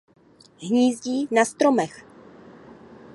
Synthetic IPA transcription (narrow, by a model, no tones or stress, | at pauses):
ɦɲiːzɟiːnast̪ɾomɛx